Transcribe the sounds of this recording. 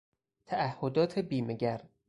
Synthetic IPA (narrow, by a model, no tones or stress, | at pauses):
t̪ʰæʔæhːod̪ɒːt̪ʰebiːmeɡæɾ